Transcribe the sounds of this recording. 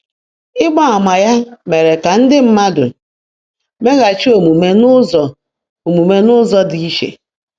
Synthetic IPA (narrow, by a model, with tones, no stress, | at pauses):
ɪ˦ɡ͡ba˦a˨ma˨ja˦me˨ɾe˨ka˨n̩˦dɪ˦m̩˦ma˦dʊ̰˨ | me˦ɣa˨t͡ʃi˦o˨mu˨me˨nʊ˦zɔ˨ | o˨mu˨me˨nʊ˦zɔ˦di˨i˦ʃḛ˨